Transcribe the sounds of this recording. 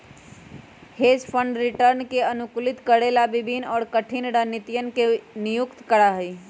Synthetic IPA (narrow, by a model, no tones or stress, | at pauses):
hed͡ʒpʰəɳɖɾiʈəɾnkeənukulit̪kəɽelabibʱinɔːɾkəʈʰinɾənit̪ijənkenijukt̪kəɽaɦəj